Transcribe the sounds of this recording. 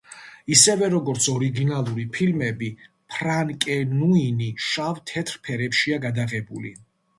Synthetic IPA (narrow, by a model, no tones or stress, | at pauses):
isɛvɛɾɔɡɔɾt̪sʰɔɾiɡinalˠuɾipʰilmɛbi | pʰɾaŋkʼɛnuiniʃavt̪ʰɛt̪ʰɾpʰɛɾɛpʃiaɡad̪aɣɛbulḭ